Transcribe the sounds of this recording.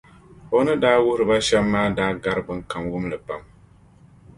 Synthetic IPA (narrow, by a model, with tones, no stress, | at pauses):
o˨nɨ˦daː˦wʊ˦hɾɨ˨ba˦ʃɛ˦mː˦aː˦daː˦ɡa˦ɾɨ˦bɨ˦ŋka˨mwʊ˦mlɨ˨pa˨m